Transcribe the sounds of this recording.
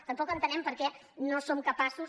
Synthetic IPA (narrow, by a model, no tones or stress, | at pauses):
t̪əmpɔkənt̪ənɛmpəɾkɛ | nosomkəpasu